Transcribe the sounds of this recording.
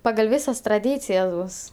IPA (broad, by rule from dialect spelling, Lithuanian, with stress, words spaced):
pɐɡɐlʲ ˈʋʲɪsɐs trɐˈdʲiːt͡sʲɪjɛs ˈbʊs